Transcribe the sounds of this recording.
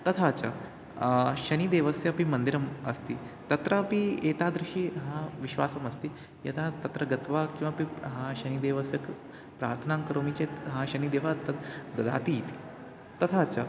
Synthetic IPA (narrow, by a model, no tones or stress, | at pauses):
t̪ɐt̪ʰat͡ɕa̰ | ɕɐniːd̪eʋəsjɐpimɐnd̪iɾɐmɐ̰st̪iː | t̪ɐt̪ɾəpiːet̪ad̪ɾuʂiːɦãʋiɕʋaːsɐmɐst̪iː | jḛt̪ʰat̪ɐt̪ɾəɡɐt̪ʋakĩw̃ʋapiɦãɕɐnid̪eːʋəsjɐk | pɾa̰ːɾt̪ʰənaŋkɐɾomit͡ɕeɦãɕɐniːd̪eːʋat̪ɐd̪ɐd̪a̰ːt̪iɦit̪i | t̪ɐt̪ʰat͡ɕa